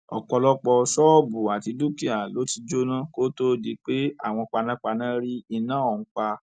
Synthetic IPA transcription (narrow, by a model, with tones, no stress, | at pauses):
ɔ̰˨kɔ˧lɔ˦k͡pɔ˧sɔ˦˨bu˨a˨ti˧du˦ki˦a˨lo˨˦ti˧d͡ʒo˦nã˦ko˦to˦di˧k͡pe˦a̰˦˨w̃ɔ̃˧k͡pa˧nã˦k͡pa˧nã˦ɾi˦i˧nã˦ɔ˦˨ŋ̩̃˦k͡pa˧